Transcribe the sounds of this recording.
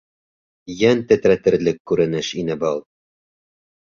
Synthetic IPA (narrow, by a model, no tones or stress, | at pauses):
jænt̪æt̪ɾæt̪ɘ̆ɾlɘkːʉɾɘ̆nɘʃinɘbɑlˠ